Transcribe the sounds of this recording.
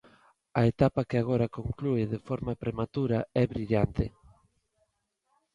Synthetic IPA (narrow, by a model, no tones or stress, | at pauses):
ɐet̪apakeaɣ̞oɾɐkoŋklueðefɔɾmapɾemat̪uɾaɛβɾiʎant̪ɪ